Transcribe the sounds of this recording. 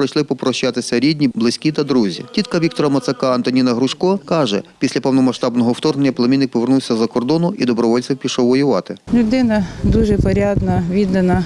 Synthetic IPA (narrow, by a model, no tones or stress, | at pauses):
ɔt͡ʃlˠɪpɔpɾɔʃːɑt̪ɪsʲɐɾʲidʲnʲiblˠɪsʲkʲit̪ɐd̪ɾuzʲḭtʲit̪kɐʋʲikt̪ɔɾɐmɐt̪sɐkɑɐnt̪ɔnʲinɐɦɾʊʃkɔkɑʒɛ̰pʲisʲlʲɐpɔwnɔmɐʃt̪ɑbnɔɦɔwt̪ɔrnenʲːɐplˠɐmʲinːɪk̚pɔʋernuwsʲɐzɐkɔrd̪ɔnʊʔid̪ɔbɾɔʋɔlʲtt͡s̪ɪwpʲiʃɔwʋɔjʊʋɑt̪ɪlʲʊd̪ɪnɐd̪uʒɛpɔɾʲad̪nɐʋʲid̪ɐnɐ